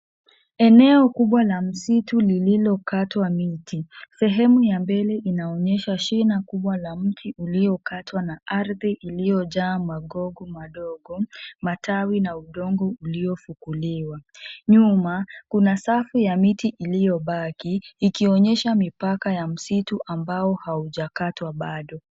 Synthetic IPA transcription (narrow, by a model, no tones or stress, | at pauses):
ɛnɛɔkuɓwalam̩situlililɔkatwamitʰisɛɦɛmujambɛlɛʔinaɔɲɛʃaʃinakuɓwalam̩tʰiuliɔkatʰwanaaɾðiʔilijɔʄaːmaɠɔɡɔmaɗɔɡɔmatʰawinauɗɔŋɡɔuliɔfukuliwaɲumakunasafijamitiʔilijɔɓakiːkiɔɲɛʃamipakajam̩situʔambaɔhauʄakatwaɓaɗɔ